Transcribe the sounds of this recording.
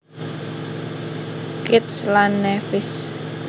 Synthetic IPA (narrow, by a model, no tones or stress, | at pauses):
kɪt̪slanːɛfɪs